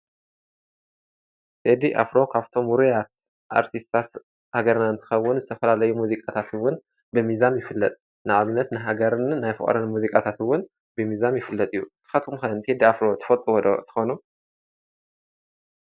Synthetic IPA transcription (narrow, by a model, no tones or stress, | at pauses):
t̪ʰed̪iʔa̰fɾo̞kʰaβt̪ʰo̞muɾujat̪̚ | ʔa̰ɾt̪ʰist̪ʰat̪ | haɡɐɾnant̪ʰɨ̥xɐwːʊnzɨt̪ʰɐfɐlalɐjumuzikʼat̪ʰat̪ɨwʊn | bɨmizamjɪfɨlːɐt̪ʼ | nɨʔaβnɐt̪nɨɦaɡɐɾnːajfɨ̰χʼɐ̰ɾɨnmuzikʼat̪ʰat̪ɨwʊn | bɨmizamjɪfɨlːɐt̪ʼɨjːut̪ʰɨ̥xɐt̪ʰumxɐnt̪ʰed̪iafɾo̞t̪ʰɨ̥fɐt̪ʼɨwod̪ot̪ʰɨ̥xonu